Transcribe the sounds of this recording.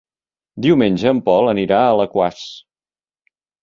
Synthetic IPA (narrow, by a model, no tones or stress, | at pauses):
d̪iwmenʲʒəːmpɔlˠəniɾaələkwas